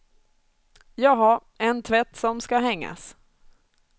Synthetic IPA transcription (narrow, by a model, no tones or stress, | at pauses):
jɑːɡɦaɾ | ɛnt̪ʰvɛt̪ːsɔmskaɦɛŋːa̰s